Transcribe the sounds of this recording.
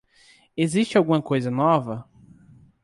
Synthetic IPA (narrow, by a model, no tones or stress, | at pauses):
eziʃt͡ʃɪawɡũmɐkojzɐnɔvɐ